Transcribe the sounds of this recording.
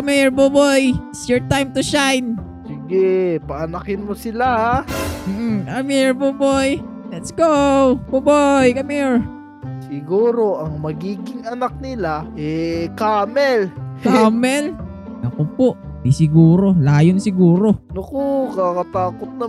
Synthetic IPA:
kɐmiɹbobojɪtsjɔɹt̪ajmt̪ʊʃajn | siɡɛpɐʔɐnɐkɪnmosɪlaham̩ːʔ̩kamiɹbobojlɐt̪sɡowbobojkɐmiɹ | sɪɡuːɾoʔɐŋmɐɡiːɡɪŋɐnak̚nɪlaʔɛkaːmɛlkamɛl | nɐkopoʔbisɪɡuːɾo̞laːjonsɪɡuːɾo̞nokokakɐt̪aːkot̪̚nɐ

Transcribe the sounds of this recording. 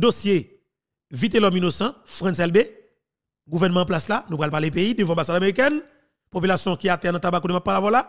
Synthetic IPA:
d̪osje | vit̪̬elɔminosɐ̃fʁɛ̃nsɛlbe | ɡuvɛʁnəmãplaslanũpɣalpalep̬eid̪øvãbasadameʁik̬ɛn | popylasjɔ̃kiat̪ɛanãt̪abakonemapːalavɔla

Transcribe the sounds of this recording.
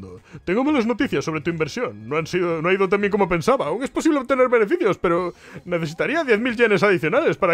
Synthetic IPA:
d̪o̰t̪eŋɡomaleznot̪iθjasːo̞βɾet̪uimbeɾsjoŋːõansiðonõaiðot̪amjeŋk̬omopẽ̞nsaβaːuwŋesposiβlet̪eneɾβenefiθjospe̞ɾoneθesit̪aɾiaðjeθmilʎenes̬aðiθjonalespaɾa

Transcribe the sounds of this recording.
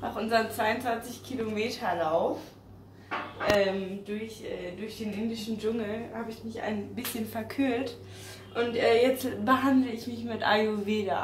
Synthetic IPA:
naxʔʊnzɐənt͡sv̥aɪʊntt͡sv̥ant͡sɪçkʰilomeːtʰɐlaʊf | ʔɛːmd̥ʊɐçʔɛːdʊɐçd̥eːnʔɪndɪʃn̩d͡ʒʊŋl̩haːbəɪçmɪçʔa̰ɪnbɪsçənfɛɐkʰyɐt | ʔʊntʔɛːjɛt͡stb̥əɦandləɪçmɪçmɪtʔa̰joveːda̰

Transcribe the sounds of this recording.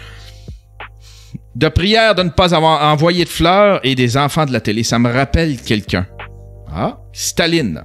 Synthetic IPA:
d̪əpʁijɛːʁd̪ənəpazavwaʁɑ̃vwajed̪əflœːʁed̪ezɑ̃fɑ̃d̪əlat̪elesaməʁapɛlkʲɛlkʲœ̰̃ | a̰ | st̪alɪn

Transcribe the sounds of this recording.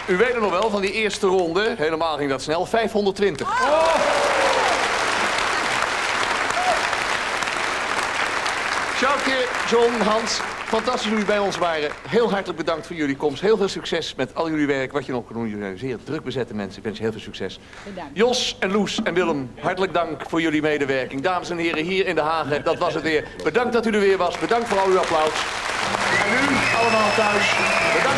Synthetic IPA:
yʋejt̚nənɔχʋɛlˠvɑndiɪːɹstərɔndəɦejləmaːlˠχɪŋdɑtsnɛlˠfɛjfɦɔndəɹtʋɪntəχ | ʃawkɪɹd͡ʒɔnɦɑntfɑntɑstis̬uybɛjɔnsʋaːrəɦɪːlˠɦɑɹtələɡ̚bədɑŋktfʊːɹjɵlikɔmstɦɪːlˠvɪːlˠsyksɛsmɛtɑlˠjɵliʋɛɹkəʋɑtjənɔχkndunj̰zɪːɹdrɵɡ̚bəzɛtəmɛ̰nsəɪkʋɛnsjəɦɪːlˠvɪːlˠsyksɛ̰s | jɔsɛnlusɛnʋɪlˠəmɦɑɹtələɡ̚dɑŋkfʊːɹjɵlimejdəʋɛɹkɪŋdaːməsɛnɦɪːrəɦiːɹɪndəɦaːχədɑtʋɑsətʋɪːɹ | bədɑŋk̚dɑtydəɹʋɪːɹʋɑsbədɑŋktfʊːɹɑlˠyaplɔws | ɛnyɑlˠəmaːlˠtœɥsbə

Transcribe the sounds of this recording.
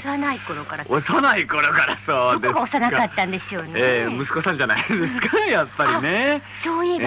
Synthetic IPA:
sanaiko̞ɾo̞kaɾaosanaiko̞ɾo̞kaɾasoːd̪eaosanakat̪ːãnd̪e̞sɨjoneːmɯ̟sɨ̥ko̞sãɲ̟d͡ʑanaind̪esɨ̥kajapːaɾʲine | soːi

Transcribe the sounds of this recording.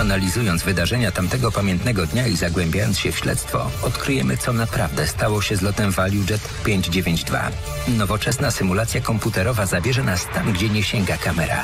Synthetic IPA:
analʲizujɔnd̪zvɘd̪aʐɛɲat̪amt̪ɛɡɔpamʲjɛnt̪nɛɡɔd̪ɲaizaɡwɛmʲbʲjajɔnt̪sɕɛfɕlɛ̰t̪st̪fɔ̰ɔt̪kɾɘjɛmɘt̪sɔnapɾa̰vd̪ɛst̪awɔɕɛzlɔt̪ɛmvalʲjud͡ʐɛt̪pʲjeɲd͡ʑd͡ʑevʲjeɲd͡ʑd̪va̰ | nɔvɔt͡ʂɛsnasɘmulat̪sʲjakɔmput̪ɛɾɔvazabʲjɛʐɛnast̪amɡd͡ʑɛɲɛɕɛŋɡakamɛɾa̰

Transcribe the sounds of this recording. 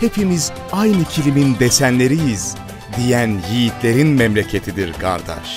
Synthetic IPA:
he̞pʰimiz | ajnɯcʰilʲimind̪esænlʲe̞ɾijiz | d̪ijænjijit̪ʰlʲe̞ɾinmɛmlʲecʰe̞t̪ʰid̪iɾɡa̰ɾd̪a̰ʃ

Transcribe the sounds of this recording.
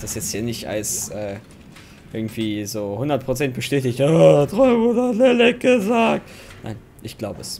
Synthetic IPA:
d̥asjɛt͡sthiːɐnɪçtʔa̰ləsʔɛː | ʔɪɐɡŋ̩tv̥iːzoːhʊndɐt̚pʁ̥ot͡sɛnt̚b̥əʃtɛːtɪçtotʁɔʏvʊdəatlɛlɛk̚ɡəzaːk̚t | na̰ɪn | ʔɪçɡ̥laʊbəɛs

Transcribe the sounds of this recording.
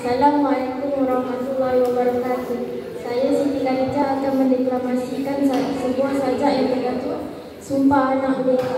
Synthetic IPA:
salamalekumaɾɑhmat̪ulːaɦiwabəɾakat̪u | sajasidikad͡ʒaʔːt̪awmə̃ndeklamasikansəbuahsad͡ʒaʔjaŋt̪ədat̪u | sumpaanahle

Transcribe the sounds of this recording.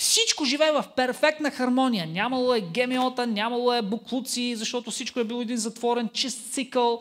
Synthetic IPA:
fsit͡ʃkoʒivɛːɛvɐfpɛɾfɛk̚t̪nɐxɐɾmɔnʲijənʲamɐlˠoɛɡɛmɛɔt̪ənʲamɐlˠoɛbʊklˠut̪siːzɐʃt̪ɔt̪ʊfsit͡ʃkʊɛbilˠɔɛd̪inzɐt̪vɔɾɛnt͡ʃist̪t̪sikəlˠ

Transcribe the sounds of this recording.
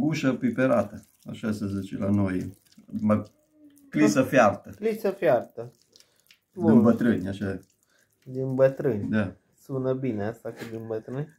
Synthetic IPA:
ɡuʃəpipeɾat̪ə | aʃasəzit͡ʃḛlanoj | ma | klisəfjart̪əlisəfjart̪ə | d̪inbət̪ɾɨnʲaʃa | d̪inbət̪ɾɨnʲd̪a | sunəbineast̪akəd̪inbət̪ɾɨnʲ

